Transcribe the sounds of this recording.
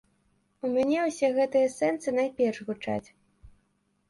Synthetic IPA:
umʲanʲɛwsʲɛɣɛt̪ɨjɐsɛnsɨnajpʲɛrʂɣut͡ʂa̰t͡sʲ

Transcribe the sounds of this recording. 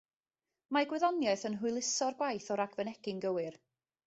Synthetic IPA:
maɡwɨðɔnjaɨθənɦʊɨlˠɪsɔrɡwajθɔɾaɡvənɛɡɪnɡəwɨr

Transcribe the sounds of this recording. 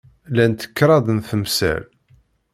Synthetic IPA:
lænt̪ə̥kːɾˤɑðˤnθəmsæ̰l

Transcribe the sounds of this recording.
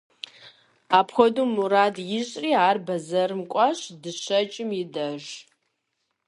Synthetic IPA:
aːpʰxʷɔduːmuɾaːdjɪɕʼriːaːrbɐzɐrɨmkʷʼɑɕdɨɕɐt͡ʃʼɪmjɪdɐʒ

